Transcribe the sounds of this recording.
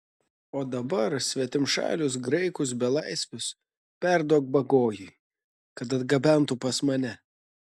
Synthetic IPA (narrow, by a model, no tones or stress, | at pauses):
oːd̪ɐbɐɾsʲʋʲɛt̪ʲɪmʃɑ̰ːlʲʊs̬ɡɾɐɪkʊs̬bʲɛlˠɐɪsʲʋʲʊs | pʲæˑɾd̪uɔk̚bɐɡoːjʊɪ | kɐt̪ɐd̪ɡɐbʲænˑt̪ʊpɐsmɐnʲɛ